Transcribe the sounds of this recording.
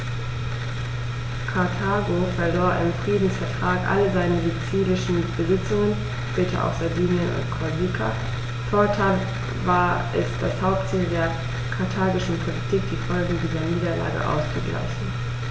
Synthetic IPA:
kʰaɐtʰaːɡofɛɐloːɐʔɪmfʁ̥iːdn̩sfɛɐtʁ̥aːkʔa̰ləzaɪnəzit͡siːlɪʃn̩b̥əzɪt͡sʊŋən | ʃpɛːtʰɐ̰ʔa̰ʊxz̥adiːnə̰ | kʰozikʰa̰ | foːɐtʰaɪl | vaːɐʔɪstd̥ashaʊp̚tt͡siːldeːɐ | kʰaɐtʰaːɡɪʃn̩pʰolitʰiːk̚d̥iːfɔlɡŋ̩diːzɐniːdɐla̰ːɡə̰ʔa̰ʊst͡suɡla̰ɪçn̩

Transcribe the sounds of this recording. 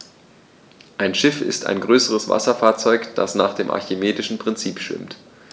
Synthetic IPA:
ʔaɪnʃɪfɪ̰stʰa̰ɪnɡʁøːsəʁəsv̥a̰sɐfaːɐt͡sɔʏkd̥a̰sna̰ːχd̥eːmʔa̰ɐçimeːtɪʃn̩pʁ̥ɪnt͡siːpʃv̥ɪ̰mt

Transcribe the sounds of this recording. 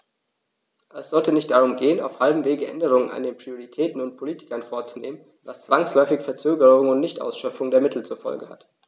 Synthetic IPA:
ʔɛsz̥ɔltənɪçt̚d̥aʁ̞ʊmɡeːəna̰ʊfhalbm̩veːɡəʔɛ̰ndəʁ̞ʊŋəna̰ndeːnpʁ̥ioʁitʰɛːtn̩ʊnt̚pʰoliːtɪ̥kɐnfoːɐt͡su̥neːmən | nvast͡sv̥aŋslɔʏfɪçfɛɐt͡søːɡəʁʊŋʊntnɪçtʔa̰ʊsʃœp͡fʊŋdeːɐmɪtʰl̩t͡suɐfɔ̰lɡəha̰t

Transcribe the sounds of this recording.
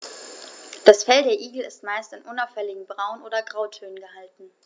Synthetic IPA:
d̥asfɛldeːɐʔiːɡl̩ɪstmaɪstanʔʊnaʊfɛlɪɡŋ̩bʁaʊnʔoːdɐɡʁaʊtʰøːnənɡəhaltn̩

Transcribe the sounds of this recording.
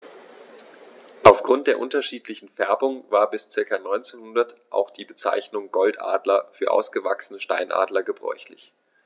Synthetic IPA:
ʔaʊfɡ̥ʁʊnt̚d̥eːɐʔʊntɐʃiːtlɪçn̩fɛɐbʊŋvaːɐbɪst͡sɪɐkɐnɔʏnt͡seːnhʊndɐtʔa̰ʊxd̥iːbət͡sa̰ɪçnʊŋɡɔltʔa̰ːdlɐfyːɐʔa̰ʊsɡ̥əvaksənəʃta̰ɪnʔa̰ːdlɐɡəbʁɔ̰ʏçlɪç

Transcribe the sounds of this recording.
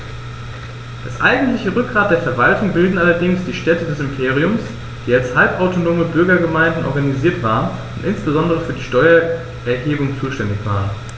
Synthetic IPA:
d̥asʔaɪɡŋ̩tlɪçəʁʏk̚ɡ̥ʁaːt̚d̥eːɐfɛɐvaltʊŋbɪldn̩ʔalɐdɪŋsd̥iːʃtɛtədɛsɪmpʰeːʁ̞iʊms | d̥iːalshalpʔaʊtʰonoːməbʏɐɡɐɡəmaɪndn̩ʔɔ̰ɐɡaniziːɐtv̥aːʁən | ʊntʔɪnsb̥əzɔndəʁ̞əfyːɐdiːʃtɔʏɐ | ʔɛɐɦeːbʊŋt͡suːʃtɛndɪçv̥a̰ːʁən

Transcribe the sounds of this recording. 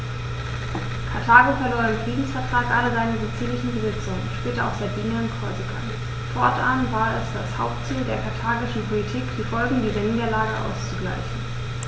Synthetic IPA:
kʰaɐtʰaːɡofɛɐloːɐdɪmnfʁ̥iːdn̩sfɛɐtʁ̥aːkʔaləzaɪnəzot͡siːlɪçn̩bəzɪt͡sʊŋənʃpɛːtəa̰ʊfz̥adiːnaɪnkʁ̥ɔʏzəɡa̰n | fɔɐtʔanvaːɐɛsd̥ashaʊp̚tt͡siːldeːɐkʰaɐtʰaːɡɪʃn̩pʰolitʰiːkd̥iːfɔlɡŋ̩diːzɐniːdɐlaːɡəʔa̰ʊst͡suɡla̰ɪçn̩

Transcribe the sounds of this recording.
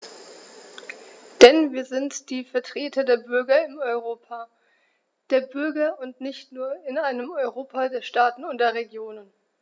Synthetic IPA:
d̥ɛnviːɐzɪntd̥iːfɛɐtʁ̥eːtʰɐdeːɐbʏɐɡɐɪmɔʏʁoːpa | d̥eːɐbʏɐɡɐʊntnɪçtnuːɐɪnaɪnəmɔʏʁoːpʰadeːɐʃtaːtn̩ʊntd̥eːɐʁeɡjoːnən

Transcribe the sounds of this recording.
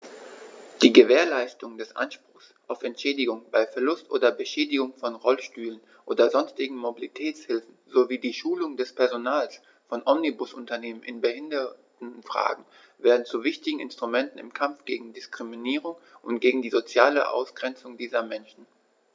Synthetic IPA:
d̥iːɡəveːɐlaɪstʊŋdɛsʔa̰nʃpʁ̥ʊxsʔaʊfɛntʃɛːdɪɡʊŋbaɪfɛɐlʊstʔoːdɐbəʃɛːdɪɡʊŋfɔnʁɔlʃtyːlən | ʔoːdɐzɔnstɪɡŋ̩mobilitʰɛːt͡shɪlfn̩zoviːdiːʃuːlʊŋdɛspʰɛɐzonaːls | fɔnʔɔmnibʊsʔʊntɐneːmənʔɪnbəhɪndɐtn̩fʁ̥a̰ːɡŋ̩ | veːɐdn̩t͡suvɪçtɪɡŋ̩ɪ̰nstʁ̥umɛntn̩ɪ̰mkʰamfɡ̥eːɡŋ̩dɪskʁ̥iminiːʁ̞ʊŋʔʊntɡ̥eːɡŋ̩diːzot͡sjaːlə̰ʔa̰ʊsɡ̥ʁɛnt͡sʊŋdiːzɐmɛnʃn̩

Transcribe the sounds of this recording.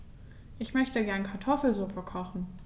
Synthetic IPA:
ʔɪçmœçtəɡɛɐnkʰaɐtʰɔfl̩zuːpʰɐkʰɔχn̩

